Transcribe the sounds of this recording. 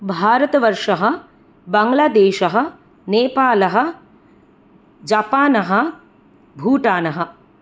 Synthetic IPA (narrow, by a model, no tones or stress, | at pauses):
bʱaːɾɐt̪ɐʋɐɾʂɐɦɐ̆ | bɐŋɡlaːd̪eːʃɐɦɐ̆ | neːpaːlɐɦɐ̆ | d͡ʒapaːnɐɦɐ̆ | bʱuːʈaːnɐɦɐ